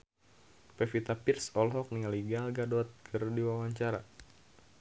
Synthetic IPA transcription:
pɛfit̪apirsɔlɦɔk̚nialiɡalɡadɔt̪̚kʰərdiwawaɲt͡ʃaɾa̰

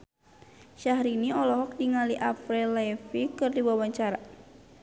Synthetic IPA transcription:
ʃahɾiniɔlɔɦɔk̚diŋaliʔafɾɛlafikɨrdiwawaɲt͡ʃaɾa

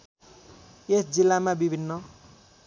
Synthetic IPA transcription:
esd͡zilːamabibʱinːʌ

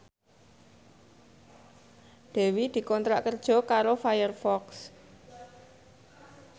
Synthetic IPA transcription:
d̪̥ɛ̤wid̪̥i̤kɔnt̪ɾa̰ʔkərd̥ʒ̥ɔ̤kaɾofajərfɔks

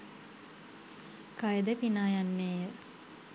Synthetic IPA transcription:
kajəd̪əpinaːjanːeːjə

